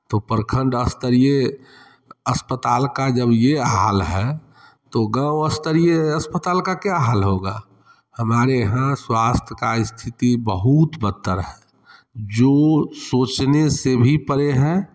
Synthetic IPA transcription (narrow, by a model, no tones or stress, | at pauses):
t̪opəɾkʰə̃ɳɖəst̪əɾie | əspət̪aːlkad͡ʒəbjeɦaːlɦɛ | t̪oɡəwəst̪əɾijeəspət̪aːlkakjaɦaːlɦoɡa | həmaːɾeɦãswast̪ʰəkaɪst̪ʰɪt̪ibəɦut̪bət̪ːəɾɦɛ | d͡ʒoːsoːt͡ʃnesebʱipəɾeɦɛ̃